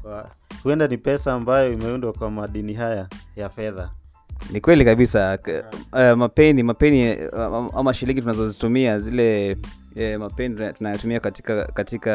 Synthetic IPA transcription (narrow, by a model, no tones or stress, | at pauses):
a | huɛndanipɛsaːmbajɔimɛundwakwamaɗiniɦajajafɛða | nikwɛlikaɓisa | mapɛnimapɛni | amaʃiliŋɡitunazɔzitumiazilɛ | mapɛnitunajɔtumiakatikakatika